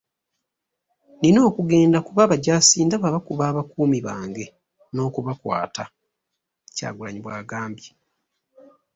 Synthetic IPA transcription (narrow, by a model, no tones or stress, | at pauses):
nino̞ːkuɡe̞ːndakuβaβaɟaːsiːndaβaβakuβaːβakuːmiβaːŋɡe̞ | no̞ːkuβakwa̰ːta | ca̰ːɡulaɲiβwaːɡaːmbji